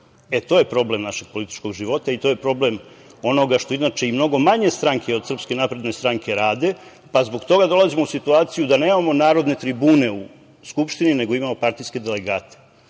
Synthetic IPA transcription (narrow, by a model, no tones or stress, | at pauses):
e̞t̪o̞ːjepɾo̞ble̞mnaʃe̞ɡ̥̚polit̪i̥t͡ʃko̞ɡʒiʋo̞t̪ait̪o̞je̞pɾo̞ble̞m | o̞no̞ɡaʃt̪o̞inat͡ʃeimno̞ɡo̞maɲe̞st̪ɾaŋkʰeod̪sr̩pske̞napɾe̞d̪ne̞st̪ɾaŋke̞ɾaːd̪e̞ | pazbo̞ɡt̪o̞ɡad̪o̞lˠazimousit̪uaːt̪sijud̪ane̞ːmamo̞naːɾo̞d̪ne̞t̪ɾibuːne̞u | skupʃt̪inine̞ɡo̞imamo̞paɾt̪ijske̞d̪e̞le̞ɡaːt̪e̥